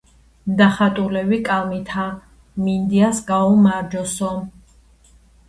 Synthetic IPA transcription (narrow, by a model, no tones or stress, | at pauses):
d̪aχat̪ʼulɛvikʼalmit̪ʰa | mind̪iasɡaɔmaɾd͡ʒɔsɔ